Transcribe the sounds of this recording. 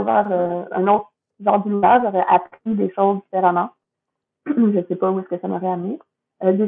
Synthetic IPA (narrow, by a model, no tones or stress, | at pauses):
vwa̰ʁøœ̰̃not̪χ | ʒɑʁd̪əluaʁʒɔʁɛʔapχid̪eʃozd̪ifeʁamɑ̃ | ʒəsɛpauɛskəsamɔ̰ʁɛamne | ød̪e